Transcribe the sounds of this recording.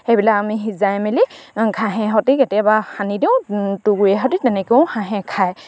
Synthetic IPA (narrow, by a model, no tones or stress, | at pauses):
hebilakamiɦizajmelikʰaɦɛ̃ɦɔtikɛtɛbaxanidiʊ̃tuɡuɛɦɔtitɛnɛkeʊ̃xʰaɦɛ̃kʰaj